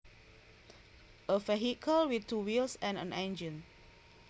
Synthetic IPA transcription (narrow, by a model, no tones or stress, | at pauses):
ʔəvɛɦikʰəlwiθtuwilsɛ̃nə̰̃nɛ̃nd͡ʒə̃n